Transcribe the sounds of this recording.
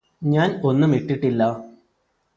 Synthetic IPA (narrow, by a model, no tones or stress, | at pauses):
ɲaːno̞nːumiʈːiʈːilːɐ